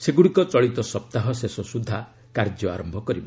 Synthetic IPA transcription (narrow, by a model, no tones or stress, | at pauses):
seɡuɽikɔt͡ʃɔɭit̪ɔsɔp̚t̪aɦɔsesɔsud̪ʱa | kaɾd͡ʒjɔa̰ɾɔmbʱɔkɔɾibɔ